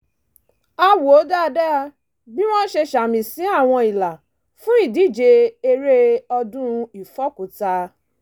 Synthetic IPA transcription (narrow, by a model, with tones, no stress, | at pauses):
a˧wo˨o˨˦da˦˧dɛ˦a˧ | bi˦w̃ɔ̃˦n̩˦ʃe˧ʃa˨mĩ˨sĩ˨˦a˦˨w̃ɔ̃˧i˨la˨ | fũ˨˦i˦˨di˦˨d͡ʒe˧e˧ɾe˦ɔ˧dũ˦˧i˨fɔ˦˨kũ˨ta˧